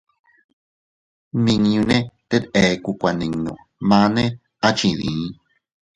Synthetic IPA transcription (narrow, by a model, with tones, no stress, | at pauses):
mĩ˧ŋ˧ɲũ˧nẽ˦t̪e˦t̪e˨˧ku˧kʷa˧nĩ˨ŋnõ̰˧˨ | mã˧˦nẽ˦ | a˦t͡ʃĩ˧ðĩ˨˦